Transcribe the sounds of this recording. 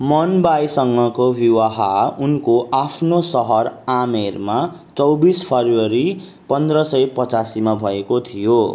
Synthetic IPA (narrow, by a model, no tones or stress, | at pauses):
mʌnbajsʌŋɡʌkobiwaɦaunkoʔapʰnosʌɦʌramerma | t͡sʌwbispʰʌruwʌɾi | pʌnd̪rʌsʌjpʌt͡sasimabʱʌekot̪ʰijo